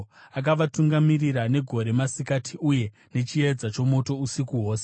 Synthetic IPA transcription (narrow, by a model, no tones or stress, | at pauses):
ak̬aʋatuŋɡamiriɾane̞ɡʱo̞ɾe̞masikatʰiʔuje̞ | ne̞t͡ʃied͡zat͡ʃo̞mo̞to̞usikuɦo̞ːse